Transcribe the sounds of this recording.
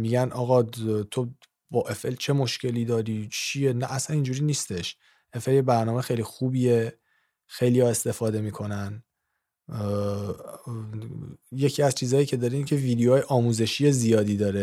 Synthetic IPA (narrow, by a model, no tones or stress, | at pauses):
miɟænʔɒːɣɒt̪ʰo̞ | bɒːʔe̞felt͡ʃʰe̞mo̞ʃce̞liːd̪ɒːɾit͡ʃʰienæʔːsænind͡ʒuːɾiːniːst̪e̞ʃ | ʔe̞fe̞ljebæɾnɒːmexejlixuːbie | xe̞jlijɒːe̞st̪e̞fɒːd̪e̞miːkʰo̞næn | je̞cʰiːæzt͡ʃʰiːzɒːjiːcʰe̞d̪ɒːɾicʰe̞viːd̪eoːjeʔɒːmuːze̞ʃije̞zijɒːd̪iːd̪ɒːɾe